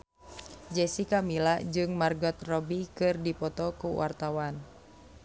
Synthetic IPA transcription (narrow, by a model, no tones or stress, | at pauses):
d͡ʒɛsikamilad͡ʒɨŋmarɡɔt̪̚rɔbikɨrdipɔt̪ɔkuwa̰rt̪awan